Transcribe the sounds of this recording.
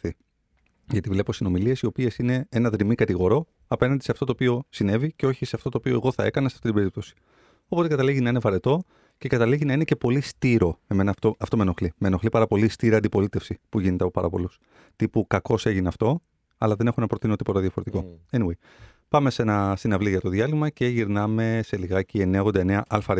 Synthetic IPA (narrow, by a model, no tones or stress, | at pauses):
i | ʝɐt̪ivle̞po̞sino̞milie̞sio̞pie̞sine̞enɐðɾimikɐt̪iɣo̞ɾo̞ | ɐpenɐnd̪ise̞ɐft̪o̞t̪oːpio̞sine̞viceo̞çise̞ɐft̪o̞t̪oːpio̞e̞ɣo̞θɐe̞kɐnɐsɐ̥t̪it̪ibeɾip̚t̪o̞si̥ | opo̞t̪ekɐt̪ɐliʝinɐine̞vɐɾet̪o̞ | ce̞kɐt̪ɐliʝinɐine̞ce̞po̞list̪iɾo̞e̞me̞nɐft̪oɐft̪o̞meno̞xlime̞noxlipɐɾɐpo̞list̪iɾiɐnd̪ipo̞lit̪e̞fsipuʝine̞t̪eɐpo̞pɐɾɐpo̞̰lus | t̪ipukɐko̞se̞ʝineɐft̪o̞ | ɐlɐðe̞ne̞xunɐpɾot̪inot̪ipo̞t̪ɐðjɐfo̞ɾt̪iko̞eniwej | pɐme̞se̞nɐsinɐvliʝɐt̪o̞ðiɐlimɐce̞ʝiɾnɐme̞se̞liɣɐcie̞neɣo̞nd̪ɐeneɐʔɐlfɐɾ